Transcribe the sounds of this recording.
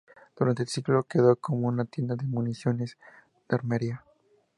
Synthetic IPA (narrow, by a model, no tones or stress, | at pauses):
d̪̥uɾant̪eːlsiklo̞keðoko̞mounat̪je̞nd̪aðemunisjo̞ne̞s | d̪̥aɾmeɾja